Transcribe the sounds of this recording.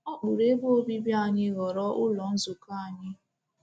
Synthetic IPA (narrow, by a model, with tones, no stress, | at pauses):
ɔ˦k͡pu˨ɾe˦bo˦bi˦bja˦˨ɲɪ˦ɣɔ˨ɾɔ˦ʔʊ˦lɔ˨n̩˦zʊ˨ka˦˨a˨ɲɪ˦